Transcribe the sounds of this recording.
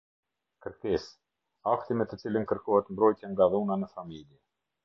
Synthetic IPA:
kəɾkɛs | aft̪imɛt̪ət͡silənkəɾkɔɦɛt̪mbɾɔjt̪jɛŋɡaðunanəfamiljɛ

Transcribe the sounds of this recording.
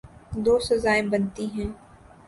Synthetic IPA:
d̪oːsɐzaːẽbɐnt̪iɦɛ̃ː

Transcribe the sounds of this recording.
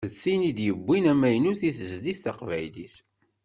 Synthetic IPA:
əθinid̪jəbʷːinæmæjnuθiθəzlisθaqvæjlis

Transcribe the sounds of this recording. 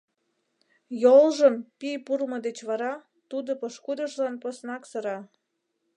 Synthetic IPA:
jolʒəmpijpulmɤ̆d̪et͡ɕβɑɾɑ | t̪ud̪opoʃkud̪ə̆ʃlɑnposnɑksə̆ɾɑ

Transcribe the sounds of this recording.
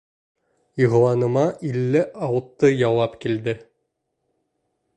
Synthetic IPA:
iʁɤ̆w̪ˠɑnɤ̆mɑʔilːɘʔɑwɤ̆t̪ːɤjɑwɑpkild̪ɘ

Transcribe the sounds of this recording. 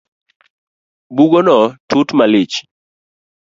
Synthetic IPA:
buɡonɔtutmalit͡ʃ

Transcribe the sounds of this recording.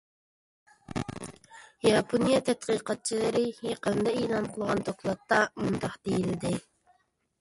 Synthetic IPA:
jɑpʰonijɑt̪ʰɛt̪qiːqɑt̪̚t͡ʃʰilˠɨɾɪjeqənd̪ɑelˠɑnqʰəlˠʁɑnd̪oklˠɑt̪ːɑmund̪ɑqd̪̥ejilɪd̪ɪ

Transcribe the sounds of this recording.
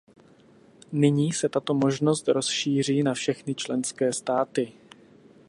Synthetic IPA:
nɪɲiːsɛt̪at̪o̞mo̞ʒno̞st̪ɾo̞sʃiːr̝iːnafʃɛxnɪt͡ʃlɛnskɛːst̪aːt̪ɪ

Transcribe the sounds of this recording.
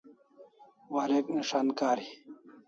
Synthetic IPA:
waɾekniʂaːnkaːɾi

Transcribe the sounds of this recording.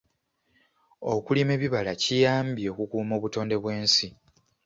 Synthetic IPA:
o̞kulime̞βiβalacijaːmbje̞ːkukuːmo̞ːβuto̞ːnde̞βwe̞ːnsi

